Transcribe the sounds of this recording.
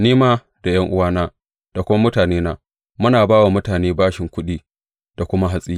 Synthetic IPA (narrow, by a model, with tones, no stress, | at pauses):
niː˦maː˦ | da˨j̰ɐ˦ŋʔʊ̰˦waː˦naː˦ | d̥a˨kʷʊ˦ma˦mʊ˦taː˨neː˦naː˦ | mʊ˦naː˨baː˦wa˨mʊ˦taː˨neː˦baː˦ʃɪ˨ŋkʷʊ˦ɗiː˦ | d̥a˨kʷʊ˦ma˦ɦa˦sʼiː˦